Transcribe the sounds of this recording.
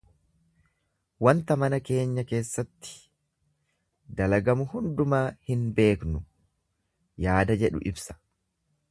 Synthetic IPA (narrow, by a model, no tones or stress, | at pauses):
wɐnt̪ɐmɐnɐke̞ːɲːɐke̞ːsːɐt̪ːɪ̥ | d̪ɐlɐɡɐmʊhʊnd̪ʊmaːhɪnbe̞ːknʊ | jaːd̪ɐd͡ʒɛᶑʊ̰ʔɪbsɐ̥